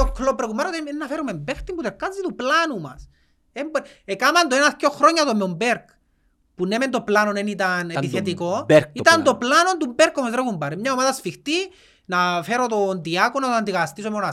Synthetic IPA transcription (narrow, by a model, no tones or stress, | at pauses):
okʰlopɾekumaɾot̪eenːɐfeɾumembext̪imbut̪ekːanzit̪uplanumɐ̰s | embekamand̪oenaskoxɾoɲːɐt̪omeombeɾk | punement̪o̞planonenit̪anepiθet̪ikoɾkit̪ɐnt̪oplano̞nt̪umbeɾkomazɾekumbɐɾemɲaomaðɐsfixt̪i | nafe̞ɾot̪ond̪iakonat̪oand̪iɣɐast̪isomeona